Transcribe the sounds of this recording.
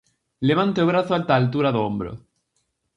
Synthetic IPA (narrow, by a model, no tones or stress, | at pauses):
leβ̞ant̪eoβ̞ɾaθoalt̪aːlt̪̬uɾaðoombɾo̰